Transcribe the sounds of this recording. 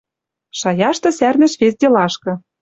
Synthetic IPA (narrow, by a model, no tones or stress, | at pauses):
ʃɑjɑʃt̪ɤ̆særnɘ̆ʃβesd̪ʲelɑʃkɤ̆